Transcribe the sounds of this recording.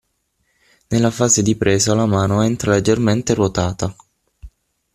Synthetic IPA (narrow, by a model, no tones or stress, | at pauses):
nelːafaːzed̪ipɾeːzalamaːnoɛnt̪ɾaled͡ʒːerment̪erot̪aːt̪a